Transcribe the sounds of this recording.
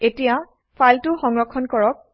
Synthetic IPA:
etija | pʰajltʊxɔŋɹɔkʰːɔnkɔɹɔk̚

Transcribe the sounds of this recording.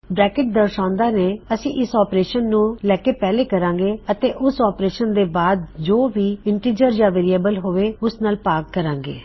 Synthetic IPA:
bɾɛːkɪʈ̚d̪əɾʃãːʊnd̪aːneːəsĩːʔɪsɔːpɾeːʃənːũːlɛːkeːpɛːleːkəɾãːŋɡeːət̪eːʔʊsɔːpɾeːʃənd̪eːbaːd̪̚d͡ʒoːʋiːɪɳʈiːd͡ʒəɾd͡ʒaːʋeːɾijeːbəlɦoːʋeːʊsnaːlpaːkkəɾãːŋɡḛː

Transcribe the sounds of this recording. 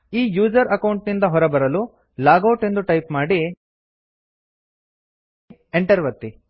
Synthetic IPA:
iːjuːd͡ʒɐɾɐkɐwɳʈnind̪ɐɦɔɾɐbɐɾɐlu | laːɡɐwʈe̞nd̪uʈɐjpmaːɽi | eɳʈɐɾʋɐt̪ːi

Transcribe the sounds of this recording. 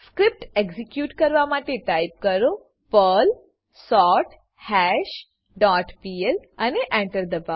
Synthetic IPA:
skɾip̚ʈekzikjuːʈkəɾʋamaʈeʈajp̚kəɾo | pəl | sɔʈ | hɛɕ | ɖɔʈpielaneʔɛ̃ɳʈəɾd̪əba

